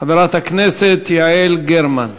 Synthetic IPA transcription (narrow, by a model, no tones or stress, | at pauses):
abeɾˤat̪akneːsɪt̪jaʕiːlɡeɾman